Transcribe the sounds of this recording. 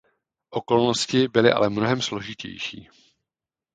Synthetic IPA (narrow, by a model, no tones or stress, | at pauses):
ʔo̞ko̞lno̞scɪbɪlɪʔa̰lɛmno̞ɦɛmslo̞ʒɪcɛ̰jʃḭː